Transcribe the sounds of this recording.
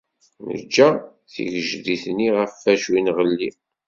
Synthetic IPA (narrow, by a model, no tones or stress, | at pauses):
nə̰d͡ʒːæ | θḭʝəʒðiθniʁəfːæʃwinʁəlːi